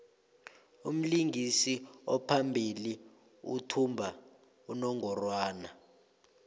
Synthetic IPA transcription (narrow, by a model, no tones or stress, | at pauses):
um̩liŋʱisiɔpʰambʱili | ṵtʰumbʱa | unɔŋʱɔrwaːna